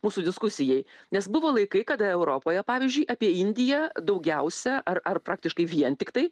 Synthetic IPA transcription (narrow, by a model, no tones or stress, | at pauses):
muːsuːd̪ʲɪskʊsʲɪjɛɪnʲɛsbʊʋoːlˠɐɪkɐɪkɐd̪ɐɛʊɾoːpoːjɛpɑːʋʲɪzʲd͡ʒʲʊɪʔɑːpʲiɛɪnʲd̪ʲɪjɛd̪ɐʊɡʲɛʊsʲɛʔɐrɐrpɾɑːk̚t̪ʲɪʃkɐɪʋʲiɛnt̪ʲɪkt̪ɐɪ